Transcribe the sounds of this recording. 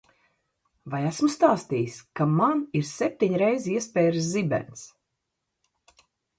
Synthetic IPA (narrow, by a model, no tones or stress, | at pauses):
vajæsmust̪aːst̪ijiskamaniɾsɛp̚t̪iɲɾɛjziɛspʲɛːɾɨszibʲɛ̰nt̪s